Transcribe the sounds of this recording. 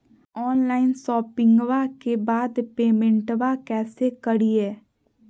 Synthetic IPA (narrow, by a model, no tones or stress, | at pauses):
ɔːnlaːɪnʃɔːpɪ̃ŋɡʋakebaːd̪peːmẽɳʈʋakɛːsekəɽiɦɛː